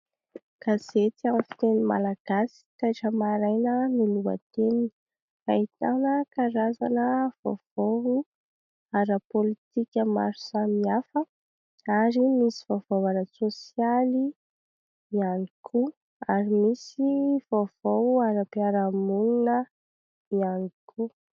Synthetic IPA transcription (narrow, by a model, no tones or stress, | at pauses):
kaz̥et̪iamfi̥t̪enima̰laɡ̥asi̥k̪ajʈ͡ʂəmaɾajnəniluə̰t̪emi̥ | fait̪anəkaɾazanəv̥o̰v̥ou | aɾəpolit̪ikʲəma̰ɾu̥samiafə | aɾimisiv̥ov̥owanəsosjali | ianikʰu | aɾimisivov̥oaɾəpiaɾamununə | ianikʰu